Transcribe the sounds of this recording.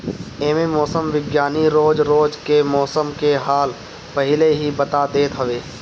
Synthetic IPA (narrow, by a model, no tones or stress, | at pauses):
eːmemɔːsəmʋɪɡjaːniɾoːd͡ʒɾoːd͡ʒkemɔːsəmkeɦaːl | pəɦɪleɦibɐt̪ad̪eːt̪ɦɐʋeː